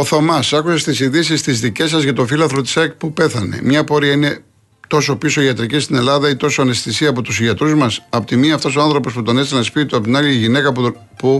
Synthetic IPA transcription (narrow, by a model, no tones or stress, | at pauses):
o̞θomɐsɐkusest̪isiðisist̪izðice̞s̬ɐzʝɐt̪o̞filɐθlot̪i̥sɐkpupe̞θɐne̞̰mɲɐpo̞ɾiɐine̞ | t̪o̞so̞piso̞iɐt̪ɾicist̪ine̞lɐðɐit̪o̞so̞ɐne̞st̪isiɐːpo̞t̪usiʝɐt̪ɾuzmɐsɐpot̪imiɐft̪o̞soɐnθɾo̞po̞sput̪o̞nesenɐsispit̪oɐpot̪inɐliʝine̞kɐp | pu